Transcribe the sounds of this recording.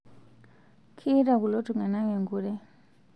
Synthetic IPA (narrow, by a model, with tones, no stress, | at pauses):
kʰi˦ɾa˨ku˨lo˦tu˨ŋa˨na˦ŋe˨ŋɡu˨ɾɛ˦